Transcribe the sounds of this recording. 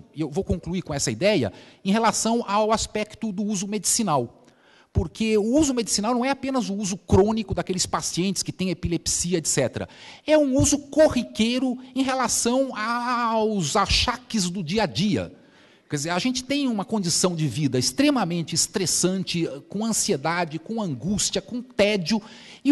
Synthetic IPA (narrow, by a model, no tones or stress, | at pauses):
ewvowkõŋkluikõɛsɐid̪ɛjɐ̰ẽj̃ɦelasɐ̃w̃ʔawaspɛkt̪ʊd̪ʊuzʊmed͡ʒisinaw | poɾkeʊuzʊmed͡ʒisinawnɐ̃w̃ɛapẽnɐzʊuzʊkɾõnikʊd̪akelɪspasiẽnt͡ʃɪskɪt̪ẽj̃epilepsiɐet̪sɛt̪ɾɐ̰ɛũuzʊkohikejɾʊẽj̃ɦelasɐ̃w̃awzaʃakɪzd̪ʊd͡ʒiɐd͡ʒiɐ̰ | kɛd͡ʒɪzeɾaʒẽnt͡ʃɪ̥t̪ẽj̃ũmɐkõnd͡ʒisɐ̃w̃d͡ʒɪvid̪ɐɪst̪ɾemɐmẽnt͡ʃɪːst̪ɾesɐ̃nt͡ʃɪkõɐ̃sied̪ad͡ʒɪkõɐ̃ŋɡust͡ʃiɐkõt̪ɛd͡ʒʊ | ɪ